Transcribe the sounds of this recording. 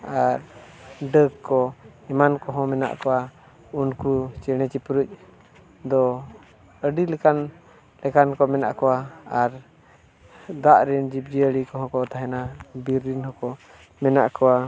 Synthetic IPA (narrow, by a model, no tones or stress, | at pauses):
aɾɖəkːɔɛmankɔɦɔ̃mɛna̰ʔkɔwa | unkut͡ʃɛɽ̃ɛt͡ʃipɾuc̚ˀ | d̪ɔ | əɖilɛkan | lɛkankɔmɛna̰ʔkɔwaaɾ | d̪aʔɾind͡ʒip̚d͡ʒiəɽikɔɦɔ̃kɔt̪aɦɛnabiɾːinhɔ̃kɔ | mɛnaʔkɔwa